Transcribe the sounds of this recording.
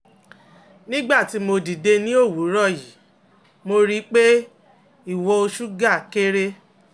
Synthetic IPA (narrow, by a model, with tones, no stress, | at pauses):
nĩ˦ɡ͡ba˦˨ti˨˦mo˧di˨de˧nĩ˦o˦˨wu˨˦ɾɔ˦˨ji˨˦ | mo˧ɾi˧˦k͡pe˦ | i˦˨wɔ˧o˧ʃu˦ɡa˦˨ke˦ɾe˦